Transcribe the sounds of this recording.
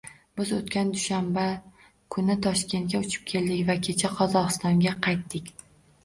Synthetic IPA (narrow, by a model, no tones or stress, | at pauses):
b̥ɪzot̪kʲand̪ʊʃamba | kʰʊnɪt̪ʰɒʃkʲe̞nt̪̚kʲaʊt͡ʃʰɪ̥p̚kʲʰe̞ld̪ɪkʲvakʲʰe̞t͡ʃʰaqʰɒzɒʁɨst̪ɒŋɡʲaqʰɑjt̪ːɪkʲ